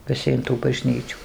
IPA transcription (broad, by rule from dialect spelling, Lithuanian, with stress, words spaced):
ʋʲɪˈsʲɪ ɪn tuː bɐˈʒʲnʲiːt͡ʃʲuː